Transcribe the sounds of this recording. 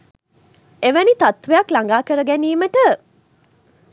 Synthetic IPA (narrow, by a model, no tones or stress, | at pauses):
eʋænit̪at̪ʋejɐklaŋɡaːkəɾəɡæniːməʈə